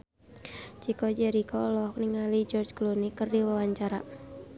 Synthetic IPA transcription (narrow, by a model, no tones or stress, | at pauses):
t͡ʃikɔd͡ʒɛɾikɔlɔk̚niŋalid͡ʒɔrd͡ʒklunikɨrdiwawaɲt͡ʃaɾa̰